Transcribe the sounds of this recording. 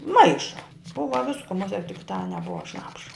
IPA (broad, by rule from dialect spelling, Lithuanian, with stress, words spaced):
ˈmɐɪʃɐ ˈbʊʋɐ ˈʋʲɪskʊ mʊˈsʲiɛ tʲɪk tɑː nʲɛˈbʊɐ ˈʃnɑːpʃɐ